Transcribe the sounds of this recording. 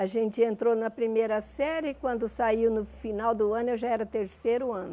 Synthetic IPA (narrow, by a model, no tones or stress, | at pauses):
aʒẽnt͡ʃɪẽnt̪ɾonɐpɾimejɾɐsɛɾɪkwɐ̃nd̪ʊsaiwnʊfinawd̪ʊɐ̃nʊewʒaɛɾɐt̪eɾsejɾʊɐ̃nʊ